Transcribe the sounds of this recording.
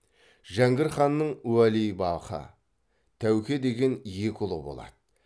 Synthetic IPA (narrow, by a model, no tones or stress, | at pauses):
ʒæŋɡʲɪɾχɑnːəɴuwælijbɑlˠqə̰ | t̪ʰæwkʲe̞d̪e̞ɡʲe̞nje̞kʲʊlˠə̰bo̞̰lˠɑ̰d̪̥ə